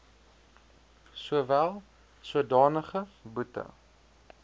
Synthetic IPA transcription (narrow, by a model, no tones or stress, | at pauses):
suəvælˠ | suədɑːnəχəbutə̰